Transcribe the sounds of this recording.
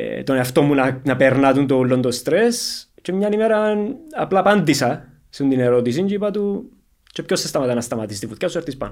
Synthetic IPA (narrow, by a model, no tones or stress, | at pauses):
t̪oneɐft̪omunɐnɐpeɾnat̪unt̪oulːond̪ost̪ɾest͡ʃemɲɐnimeɾɐnɐplɐpɐnd̪isɐ | sunt̪ineɾot̪is̬ind͡ʒipɐt̪u | t͡ʃepçosːest̪ɐmɐt̪ɐnɐst̪ɐmɐt̪ist̪ifut̪cɐsueɾt̪ispɐ̰no